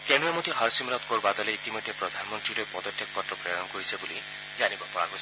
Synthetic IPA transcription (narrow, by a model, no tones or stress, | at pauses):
kenuemot̪iɦɔɾsimɾɔt̪koɾbad̪ɔleit̪imɔd̪ʱjepɾɔd̪ʱanɔmɔnt̪ɾiɾepɔd̪ɔtʰːjekkɔʈɾɔpɾejɔnɔkɔɾisebuli | d͡ʒanibɔpɔa̰ɡos